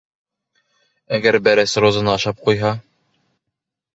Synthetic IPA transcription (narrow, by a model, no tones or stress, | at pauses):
æɡæɾbæɾæsɾozɤ̆nɑːʃɑp̚qujɦɑ